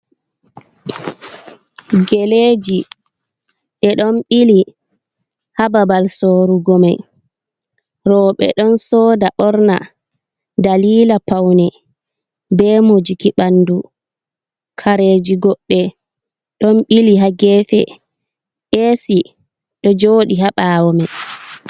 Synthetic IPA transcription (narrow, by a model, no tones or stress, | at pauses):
ɡeleːd͡ʒi | ɗɛɗɔnɓili | hababalsoːɾuɡɔmaj | ɾɔɓɛ̰ɗɔnsɔːdaɓɔɾna̰ | daliːlapawnɛ | bɛːmod͡ʒikiɓanːdu | kʰaɾeːd͡ʒiɡɔɗːɛ | ɗɔnɓiliɦaɡɛːfɛ̰ | ʔesi | ɗɔd͡ʒoːɗihaɓawɔmaj